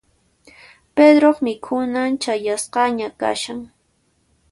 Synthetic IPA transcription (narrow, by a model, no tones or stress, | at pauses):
ped̪ɾoχmɪkʰʊnaŋt͡ʃajasqɑɲaka̰ʃaŋ